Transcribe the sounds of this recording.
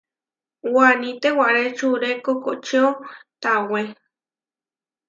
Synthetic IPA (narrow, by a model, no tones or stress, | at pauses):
wanĩt̪ewaʔɾet͡ʃuɾekokoʔt͡ʃeot̪awe